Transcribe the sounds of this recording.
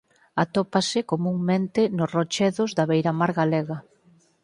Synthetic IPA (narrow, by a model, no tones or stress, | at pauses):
at̪opasɪkomuŋmẽnt̪ɪnʊsrot͡ʃɛðozðaβejɾamaɾɣaleɣɐ